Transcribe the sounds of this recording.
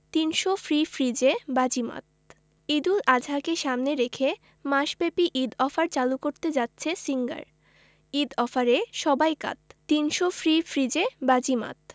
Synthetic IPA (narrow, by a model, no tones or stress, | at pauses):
t̪inʃofɾifɾid͡ʑebad͡ʑima̰t̪̚ | id̪ulad͡ʑʱakeʃamneɾekʰe | maʃbepiʔid̪ɔfaɾt͡ɕalukoɾt̪ed͡ʑatːɕʰesiŋɡa̰ɾ | id̪ɔfaɾeʃɔbajka̰t̪̚ːinʃofɾifɾid͡ʑebad͡ʑima̰t̪